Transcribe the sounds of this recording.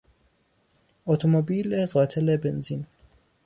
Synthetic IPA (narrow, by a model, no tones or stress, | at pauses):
ot̪ʰomobiːleɢɒːt̪ʰelebenzin